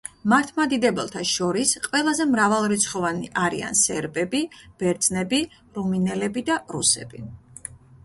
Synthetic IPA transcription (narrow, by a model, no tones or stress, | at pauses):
maɾt̪ʰmad̪id̪ɛbɛlˠt̪ʰaʃɔɾisqʼwɛlˠazɛmɾavalˠɾit̪sʰχɔvaniʔaɾḭa̰nsɛɾbɛbib̥ɛɾd̪z̥nɛbi | ɾuminɛlɛbid̪aɾusɛ̰b̥i